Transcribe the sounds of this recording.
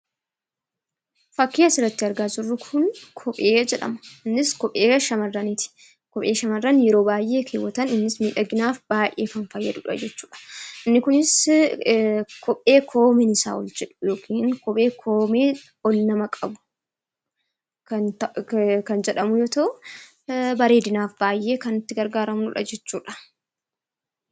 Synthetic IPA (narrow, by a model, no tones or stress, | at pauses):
fɐkːiːɐsɪrːɐt̪ːɪɐɾɡaːd͡ʒɪrːʊkʰʊnkʰɔpʼeːd͡ʒɛᶑɐ̰mɐ̥ɪnːɪskɔpʼːeːʃɐmɐrːɐnit̪ɪ̥ | kɔpʼe̞ːʃɐmɐrːɐnjɛɾo̞ːbaːjʔe̞ːkʰeːwːɐt̪ɐnɪnːɪsmiːᶑɐɡɪnaːfb̥aːjʔeːfɐnfɐjːɐᶑ̪ʊᶑɐ̰d͡ʒɛt͡ʃːuːᶑɐ̥ʔɪnːɪkʊnɪs | kʰɔpʼːe̞ːkʰo̞ːmɪnɪsa̰ːwɔld͡ʒɛᶑʊ̥joːkʰiːŋkɔpʼe̞ːkʰo̞ːmeː | ɔlːɐmɐkʼɐbʊ̥ | kɐnt̪ɐkɐnd͡ʒɛᶑɐmʊjɔt̪ɐʔʊ | bɐɾe̞ːd̪ɪnaːfb̥aːjʔːe̞ːkɐnɪt̪ːɪɡɐɾɡaːɾɐmnʊᶑɐ̰d͡ʒɛt͡ʃːuːᶑɐ̥